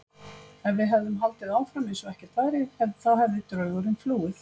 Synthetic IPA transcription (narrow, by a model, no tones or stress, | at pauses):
ɛnvɪðɦɛvðʏmɦalt̪ɪðaːwfɾamensɔɛhcɛɾ̥t̪vaːjɾɪhɛvðɪθaðhɛvðɪt̪ɾœːɥɣʏɾʏmfluːɪθ